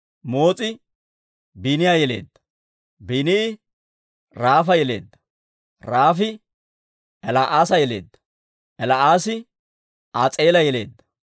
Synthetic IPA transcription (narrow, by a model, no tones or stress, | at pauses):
mo̞ːt͡sʼɪ | binɪjajɛle̞̰ːd̪ːɐ̥ | biːnɪɪ | ɾaːfɐjɛle̞̰ːd̪ːɐ̥ | ɾaːfɪ | ɛlaʔaːsɐjɛle̞̰ːd̪ːɐ | ʔɛlaʔaːsɪ | aːt͡sʼe̞ːlɐjɛle̞ːd̪ːɐ̥